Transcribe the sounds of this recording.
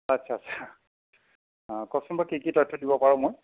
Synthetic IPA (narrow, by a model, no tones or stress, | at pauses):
atsʰaːt͡ʃʰa | kɔsɔnbakikitɔjtʰːɔdibɔpaɹɔ̃moj